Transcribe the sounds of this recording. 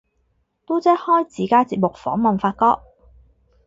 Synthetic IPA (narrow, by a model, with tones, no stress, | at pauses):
t̪u˥t͡sɛ˥hɔː˥jt͡siː˨˩kaː˥t͡siː˧p̚mʊ˨k̚fɔ̰ː˨˥ŋmɐ˨nfaː˧t̚kɔː˧k̚